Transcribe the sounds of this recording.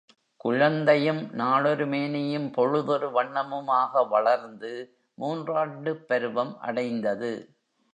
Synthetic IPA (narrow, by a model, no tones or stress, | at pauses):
kʊɻɐnd̪ɐjɯmnaːɭɔɾɯmeːnɪjɯmpɔɻɯðɔɾɯʋɐɳːɐmɯmaːɣɐʋɐɭɐɾnd̪ɯ | muːndraːɳɖɯpːɛɾɯʋɐmʔɐ̰ɽɐɪnd̪ɐðɯ